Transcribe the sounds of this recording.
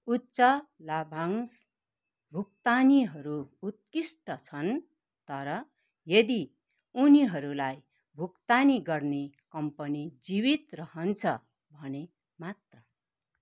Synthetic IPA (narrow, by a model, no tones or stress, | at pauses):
utːsʌlabʱaŋs | bʱuk̚t̪aniɦʌɾuːt̪̚kisʈʌt͡sʰʌn | t̪ʌɾʌ | jʌd̪i | uniɦʌɾulaj | bʱukt̪aniɡʌrnekʌmpʌnid͡zibit̪rʌhʌnt͡sʰʌ | bʱʌne | mat̪rʌ